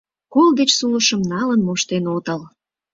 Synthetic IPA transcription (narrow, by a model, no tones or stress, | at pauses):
kold̪et͡ɕsuləʃəmnɑlənmoʃt̪enot̪əl